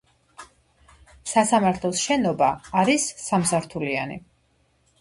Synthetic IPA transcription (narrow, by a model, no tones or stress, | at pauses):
sasamaɾt̪ʰlˠɔsʃɛnɔbaːɾisːamsaɾt̪ʰulia̰nḭ